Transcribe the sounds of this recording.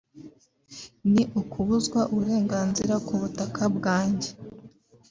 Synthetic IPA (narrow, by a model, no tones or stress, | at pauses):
niʔukuβuzɡwaʔuβuɾe̞ːŋɡaːnziɾakuβutakʰabɡaːɲɟe